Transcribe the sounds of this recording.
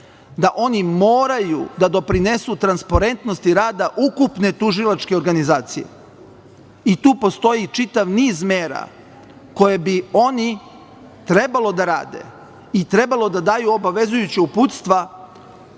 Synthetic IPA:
d̪aʔo̞nimoːɾajṵd̪ad̪o̞pɾine̞sut̪ɾanspaɾe̞nt̪no̞st̪iɾaːd̪aʔukupne̞t̪uʒilˠat͡ʃke̞o̞ɾɡanizaːt̪sije̞̰ | it̪uːpo̞st̪o̞jit͡ʂit̪aʋniːzmeːɾa̰ | ko̞je̞bio̞ni | t̪ɾe̞balo̞d̪aɾa̰ːd̪ḛ | it̪ɾe̞balˠo̞d̪ad̪aːjuo̞baʋe̞zujut͡ɕeuput̪st̪ʋa

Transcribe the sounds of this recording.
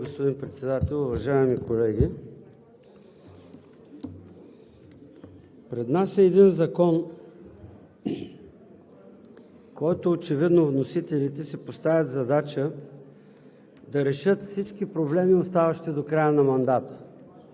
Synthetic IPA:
ɡospod̪inpɾɛt̪sɛd̪at̪ɛlˠʊvɐʒaɛmikolɛɡ̟ʲi | pɾɛd̪nasɛːd̪inzɐkɔn | kɔjt̪oːt͡ʃɛvid̪novnosit̪ɛlit̪ɛsɛpost̪avʲəd̪zɐd̪at͡ʃə | d̪ɐɾɛʃɤt̪fsit͡ʃkipɾoblɛmiost̪avɐʃt̪id̪okɾajənɐmɐnd̪at̪ə̥

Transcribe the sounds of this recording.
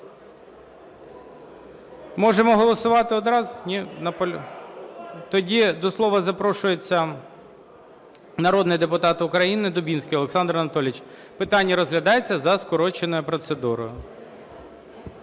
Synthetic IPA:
mɔʒemɔɦɔlˠɔsʊʋɑt̪ɪɔd̪ɾɑznʲinɐpɔ | t̪ɔdʲid̪ɔslˠɔʋɐzɐpɾɔʃʊjet͡sʲːɐ | nɐɾɔd̪nɪjd̪epʊt̪ɑt̪ʊkɾɐjinɪd̪ʊbʲinsʲkɪɔlˠeksɑnd̪rɐɔnɐt̪ɔlʲɪt͡ʃ | pɪt̪ɑnʲːɐɾɔzɦlʲɐd̪ɑjet͡sʲːɐzɐskɔɾɔt͡ʃenɔjʊpɾɔt̪sed̪uɾɔ̰jʊ

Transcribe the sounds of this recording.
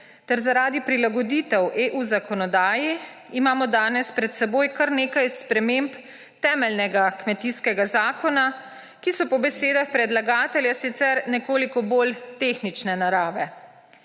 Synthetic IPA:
t̪ɛɾzaɾaːd̪ipɾilaɡɔd̪iːt̪ɛwʔeʔuzakɔnɔd̪aːji | imaːmɔd̪aːnɛspɾɛt̪sɛboːjkaɾneːkajspɾɛmemp | t̪ɛːmɛlnɛɡakmɛt̪iskɛɡazaːkɔna | kisɔpɔbɛseːd̪axpɾɛd̪laɡaːt̪ɛljasit̪sɛɾnɛkoːlikɔboːlt̪eːxnit͡ʃnɛnaɾaːʋɛ

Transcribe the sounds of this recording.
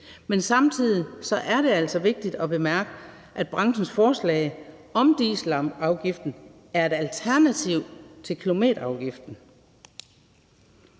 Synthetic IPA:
mensɑ̈mt͡sʰið̰ˠisɒ̽ʔæɐɾ̥e̝æl̰sɒ̽ʋe̝ɡ̥̚d̥id̥ɒb̥e̝mæɐɡ̥ə | ʔæd̥̚b̥ʁɑ̈ŋsn̩sfɒːslɛ̰ːɪ | ɒ̽md̥iːslɑmɑ̈ʊɡ̥ifd̥n̩ | æɐe̝d̥ælt͡sʰæɐnæt͡sʰiʊt͡sʰe̝lkʰilo̝me̝̰ːɾɐɑ̈ʊɡ̥ifd̥n̩

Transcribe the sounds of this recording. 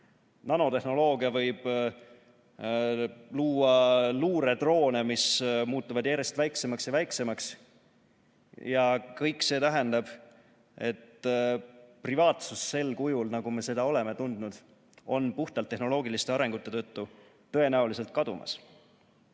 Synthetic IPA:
nɑno̞t̪e̞hno̞lo̞ːɡ̥iɑvɤjb̥ | luːɑluːɾe̞d̪̥ro̞ːne̞mismuːt̪ːˑuvɑd̪̥jæɾe̞st̪væjkse̞mɑksjɑvæjkse̞mɑks | jɑkɤjkˑse̞ːt̪æɦɛnd̪ɑb̥ | e̞t̪ | privɑːt̪susːe̞lkujulnɑɡ̥ume̞se̞d̪̥ɑo̞le̞me̞t̪und̪nud̪̥ | o̞npuht̪ɑlt̪ːehno̞lo̞ːɡilist̪e̞ɑɾe̞ŋɡ̥ut̪ːˑe̞t̪ɤ̞t̪ːu | t̪ɤ̞e̞næulise̞lt̪̚kɑd̪ṵmɑ̰s

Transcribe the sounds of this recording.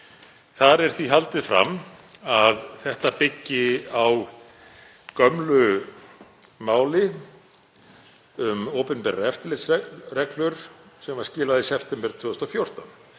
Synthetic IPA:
θaɾɛɾ̥θviɦalt̪ɪðfɾa̰maðθɛht̪apɪcːɪaw | kœmlʏ | maːwlɪ | ʏmoːpʏnmpɛɾɛft̪ɪlɪt̪sɛrɛklʏɾ̥sɛmvaɾ̥scɪːlaðisɛpʰt̪ɛmpɪɾ̥t̪ʰʏːʏst̪ɔfjowr̥t̪an

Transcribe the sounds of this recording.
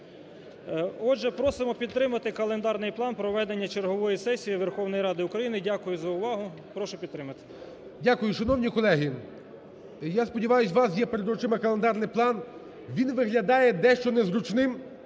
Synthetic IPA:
ɔdʒɛpɾɔsɪmɔpʲid̪̚t̪ɾɪmɐt̪ɪkɐlˠend̪ɑrnɪjplˠɑnpɾɔʋɛd̪enʲːɐt͡ʃeɾɦɔʋɔjisɛsʲijiʋerxɔwnɔjɾɑd̪ɪʊkɾɐjinɪdʲakʊjʊzɐʊʋɑɦʊ | pɾɔʃʊpʲid̪t̪ɾɪmɐt̪ɪ̥ | dʲakʊjʊʃɐnɔwnʲikɔlˠɛɦi | jaspɔdʲiʋɑjʊsʲʋɑsjɛpeɾed̪ɔt͡ʃɪmɐkɐlˠend̪ɑrnɪjplˠɑn | ʋʲinʋɪɦlʲɐd̪ɑjɛd̪ɛʃt͡ʃɔnɛzɾʊt͡ʃnɪm

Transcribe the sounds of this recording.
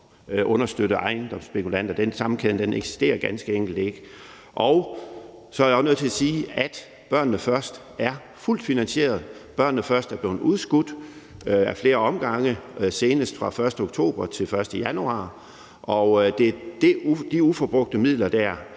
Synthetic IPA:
ʔɔ̽nɐsd̥øɾəʔɑ̈ɪnd̥ɒ̽msb̥e̝kʰulæn̰d̥ɐd̥ensɑ̈mn̩kʰeðnd̥eneɡ̥si̥sd̥e̝̰ːɐɡ̥ænsɡ̥əeŋ̰ɡ̥l̩d̥e̝ɡ̥ | ʔɒʊ | sɒ̽ɐæɐjɒsnɔð̩ˠt͡sʰe̝æsiːæd̥ | b̥ɶɐ̰nnəfɶɐsd̥ | æɐ | ful̰d̥finænɕe̝̰ːɐð̩ˠb̥ɶɐnːəfɶɐsd̥æɐb̥le̝ːn̩uðˠsɡ̥ud̥ | æɐfle̝ːɐɒ̽mɡ̥ɑ̈ŋəse̝ːnəsd̥fʁɑ̈fɶɐsd̥əoɡ̥t͡sʰo̝̰ːb̥ɐt͡sʰe̝lfɶɐsd̥əjænuɑ̰̈ː | ʔɒ̽ʊd̥e̝d̥ed̥iufɒb̥ʁɔɡ̥̚d̥əmið̞̰ˠlɐd̥æɐ̰

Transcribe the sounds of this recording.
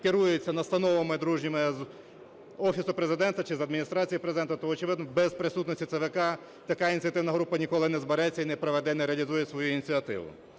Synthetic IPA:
kɪɾujet͡sʲːɐnɐst̪ɐnɔʋemɪd̪ɾuʒnʲɪmez | ɔfʲisʊpɾezɪd̪ɛnt̪ɐt͡ʃɪzɐd̪mʲinʲist̪ɾat͡sʲijipɾezɪd̪ɛnt̪ɐt̪ɔɔt͡ʃɪʋɪd̪nɔbɛzpɾɪsut̪nɔsʲtʲit̪ɛʋekɑ | t̪ɐkajinʲtt͡sʲiɐt̪ɪwnɐɦɾupɐnʲikɔlˠɪnɛzbeɾɛt͡sʲːɐinɛpɾɔʋɛd̪ɛnɛɾeɐlʲizujɛsʋɔjuinʲit͡sʲiɐt̪ɪ̰ʋʊ̰

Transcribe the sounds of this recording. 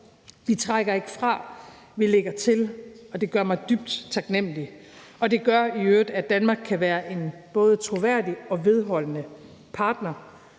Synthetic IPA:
ʋit͡sʰʁaɡ̥ɐe̝ɡ̥əfʁɑ̈ | ʋile̝ɡ̥ɐt͡sʰe̝lɒ̽d̥e̝ɡ̥ɶɐmɑ̈ɪd̥yb̥̚d̥t͡sʰɑ̈ɡ̥nem̰əli | ɒ̽d̥e̝ɡ̥ɶɐiøːd̥æd̥ænmɑ̈ːɡ̥kʰæʋæːɐʔe̝nb̥ɔ̽ːð̞ˠət͡sʰʁo̝ʋæɐ̰d̥iɒ̽ʋe̝ð̞ˠɦɒ̽l̰ənə | pʰɑ̈ːd̥nɐ

